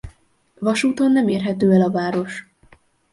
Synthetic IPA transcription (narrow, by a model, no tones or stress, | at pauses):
vɒʃuːt̪o̞nːɛmeːrɦɛt̪øːɛlɒvaːɾo̞ʃ